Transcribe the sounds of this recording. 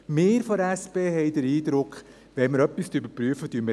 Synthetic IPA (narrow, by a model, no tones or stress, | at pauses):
meːɾfɔɾæspeːhɛɪdəɾiːd̪ɾʊkχ | ʋɛnməɾœpːistybəpɾyəfətyːnmə